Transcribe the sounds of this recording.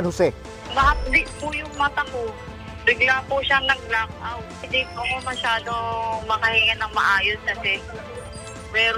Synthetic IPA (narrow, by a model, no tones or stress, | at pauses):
nhʊsɛ | mɐhɐp̚lɪʔ̚pʊjʊŋmɐt̪ɐko | bɪɡlapʊʃaŋlɐɡ̚lak̚ʔawhɪd̪ɪkʊɐkomɐʃaːd̪omɐkɐhɪŋɐnɐŋmɐʔaːjosɡɐt̪ɛn | pɛːɾ